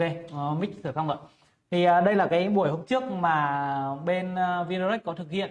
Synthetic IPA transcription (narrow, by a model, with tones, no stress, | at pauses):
ke˧˨˧mi̟˦˥sʰɨ˧˩ka˧wŋ͡mlə̰ː˧˨j | t̪ʰi˨˩ʔəː˨˩ɗə˧jlaː˨˩kaː˨˦jɓu˧˩əjho˧mt͡ɕɨ˦˥ək̚maː˨˩ɓe˧n˧vi˧no˧ɾɛ˦˥k̟̚kɔ˨˦t̪ʰɨ˨˩k̚hḭ˧˨ən